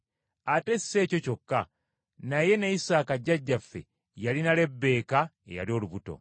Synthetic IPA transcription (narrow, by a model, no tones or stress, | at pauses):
ate̞si̥se̞ːco̞co̞kːa | naje̞najisaːkaɟːaɟːafːe̞̰ | jalinale̞bːe̞ːka | ḛja̰lio̞ːluβuto̞̰